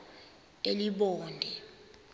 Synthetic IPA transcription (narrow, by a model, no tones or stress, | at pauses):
eliɓɔːndʱɛ